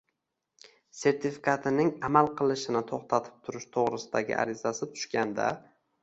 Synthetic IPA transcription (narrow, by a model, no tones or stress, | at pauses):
se̞ɾt̪ʰɪfikʰat̪ʰɪnɪŋamalˠqʰɨlˠɪʃɪnɪt̪ʰoχt̪ʰat̪ʰɪ̥p̚t̪ʰʊɾɪʃt̪ʰoʁɾɪsɪd̪aɡʲɪ̰ʔa̰ɾɪzasɪt̪ʰʊ̥ʃkʲand̪a̰